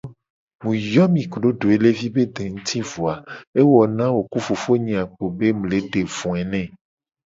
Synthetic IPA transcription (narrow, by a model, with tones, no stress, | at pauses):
mũ˨jɔ˦mĩ˨kɖo˦ɖo˨e˨˦le˦vi˦be˦d̪e˨ŋũ˦t̪ʰi˦vu˨a˨e˦wɔ˨nã˦wo˨ku˦fu˨fo˦ɲĩ˨a˨k͡po˨be˦mũ˨le˨˦ɖe˨vũ˨ɛ˨nɛ̃˦˨